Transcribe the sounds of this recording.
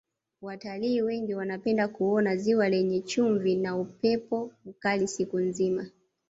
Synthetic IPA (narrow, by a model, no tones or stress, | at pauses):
wataliːwɛŋɡiwanapɛndakuɔnaziwalɛɲɛt͡ʃuɱvinaupɛpɔukalisikunzima